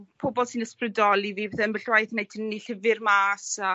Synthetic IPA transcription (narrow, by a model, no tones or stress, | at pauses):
pʰoːbɔlˠsɨnəsprədɔlˠiviːbɛθɛənbəɬwajθnejtʰinniɬɪvɪrmaːsa